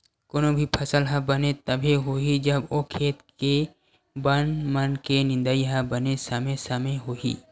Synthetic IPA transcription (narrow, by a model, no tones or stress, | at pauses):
koːnõbʱipʰɐsəlɦɐ̃bɐnet̪ɐbʱeɦoid͡ʒɐbokʰeːt̪ke | bənmənkenɪ̃nd̪əiɦãbɐnesəmesɐmeɦoḭː